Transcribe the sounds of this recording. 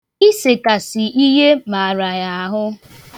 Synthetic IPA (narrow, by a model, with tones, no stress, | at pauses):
i˦se˨ka˨sɪ˨ʔi˦ɦe˦ma˨a˨ɾa˨ja˨a˦ɦʊ˦